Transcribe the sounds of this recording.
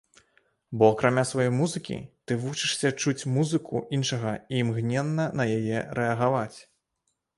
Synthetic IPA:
bɔɐkɾamʲasvajɔjmuzɨkʲḭt̪ɨvut͡ʂɨʂsʲɐt͡ʂut͡sʲmuzɨkʰṵʔinʂɐɣɐiːmɣnʲɛnːɐnɐjajɛɾɛɐɣavat͡sʲ

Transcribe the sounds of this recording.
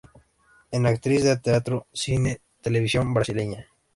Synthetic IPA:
enakt̪ɾizðet̪eat̪ɾosine | t̪eleβ̞isjo̞mbɾasileɲa

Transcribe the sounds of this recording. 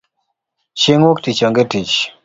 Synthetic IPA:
ʃeŋwoktit͡ʃɔŋɡetit͡ʃ

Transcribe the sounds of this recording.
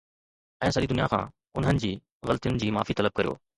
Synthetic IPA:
ɛ̃ːsəɗid̪ʊnɪjakʰã̰ː | ʊnɦənɪ̆d͡ʑiː | ɣɐlt̪ijʊnɪ̆d͡ʑiːma̰ːfit̪ɐləb̚kɐɾijo̰ː

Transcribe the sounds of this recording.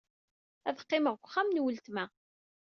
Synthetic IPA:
æðqːɪməʁɡʷχːamnwəlt̪mæ

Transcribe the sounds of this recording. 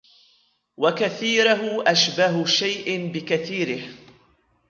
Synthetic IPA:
wakaθiːɾaɦʊʔaʃbaɦʊʃajʔɪbɪkaθiːɾɪh

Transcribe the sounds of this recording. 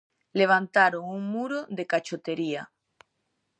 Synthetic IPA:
leβ̞ant̪aɾoŋuŋmuɾoðekat͡ʃot̪eɾia

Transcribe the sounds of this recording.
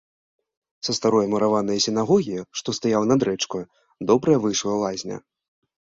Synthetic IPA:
sɐst̪aɾɔjɐmɐɾavanɐjɐsʲɪnaɣɔɣʲijiʂt̪ɔst̪ajawnɐd̪ɾɛt͡ʂku | d̪ɔbɾɐjɐvɨjʂlˠɐlˠazʲnʲɐ̰

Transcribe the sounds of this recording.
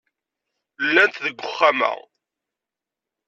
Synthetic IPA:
lːænt̪ðəɡʷːʊχːamæ̰

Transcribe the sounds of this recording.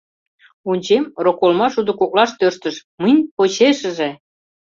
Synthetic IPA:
unʲt͡ɕemrokolmɑʃud̪ŏkok̚lɑʃt̪øʃt̪ə̆ʃmənʲpot͡ɕeʃə̆ʒĕ

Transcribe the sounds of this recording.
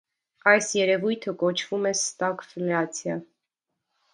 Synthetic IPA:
ɑjsjɛɾɛvujt̪ʰəkɔt͡ʃʰv̥umɛst̪ɑkfɛlɛɑt͡sʰjɑ

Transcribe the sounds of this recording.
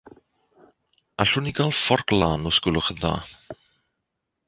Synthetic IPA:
aɬʊniɡalˠfɔrklaːnɔskʊlˠʊχəða̰ː

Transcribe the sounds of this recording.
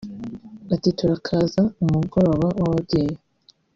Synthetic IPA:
atituɾakʰazaumuɡoɾo̞ːβaʔawabɟe̞ːje

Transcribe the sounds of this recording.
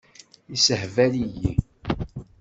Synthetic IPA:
isəhvæliji

